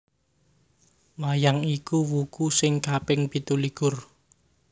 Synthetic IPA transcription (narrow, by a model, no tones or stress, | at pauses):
lajaŋikuwukusɪŋkapɪŋpi̤t̪uliɡ̥ʊr